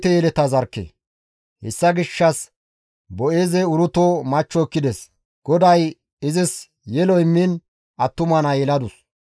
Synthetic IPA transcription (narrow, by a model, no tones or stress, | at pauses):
t̪ːɛjɛlɛt̪ɐzɐɾkːḛ | hɛ̰sːɐɡɪʃːɐs | bɔe̞ːzɛʊɾʊt̪oːmɐt͡ʃːɔːkːɪd̪ɛs | ɡ̥ɔd̪ɐj | ɪzɪs | jɛlɔɪmːɪn | ɐt̪ːʊmɐnɐjɛlɐd̪ʊs